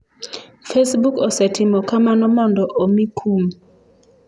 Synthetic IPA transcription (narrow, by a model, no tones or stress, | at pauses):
fesbukɔsɛtʰɪmɔkamanɔmɔndɔʔomikʰum